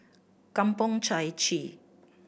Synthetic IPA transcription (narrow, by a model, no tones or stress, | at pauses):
kɐmpʊŋt͡ʃʰajt͡ʃʰi